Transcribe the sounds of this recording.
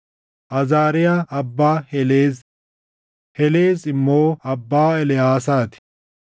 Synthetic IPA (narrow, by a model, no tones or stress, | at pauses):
ʔɐzaːɾɪjaɐbːaːhɛleːz | hɛleːzɪmːoːɐbːaːɛlɪjaːsaːt̪ɪ̥